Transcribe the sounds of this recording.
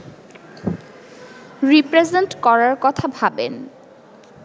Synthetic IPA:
ɾipɾezeɳʈkɔɾaɾkɔt̪ʰabʱabḛn

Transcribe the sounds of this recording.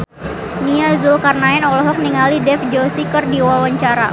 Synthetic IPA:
niazokarnaɪnɔlɔɦɔk̚niŋalidɛfd͡ʒosikərdiwawaɲt͡ʃaɾa

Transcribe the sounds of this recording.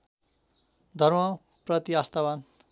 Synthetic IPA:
d̪ʱʌrmʌ | prʌt̪iast̪aban

